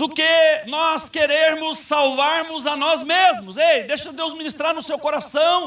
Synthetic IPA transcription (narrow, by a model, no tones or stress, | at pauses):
d̪ʊkɪnɔskeɾeɾmʊsːawvaɾmʊzanɔzmezmʊzejd̪ejʃɐd̪ewzmĩnist̪ɾaɾnʊsewkoɾasɐ̃w̃